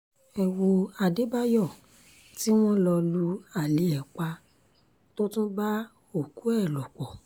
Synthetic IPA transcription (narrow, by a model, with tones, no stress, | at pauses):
ɛ˨wo˧a˧de˨˦ba˦jɔ˦˨ | ti˦w̃ɔ̃˦lɔ˧lu˧a˨le˨˦ɛ˨k͡pa˧ | to˦tũ˦ba˦ | o˦˨ku˨˦ɛ˦˨lɔ˨k͡pɔ˨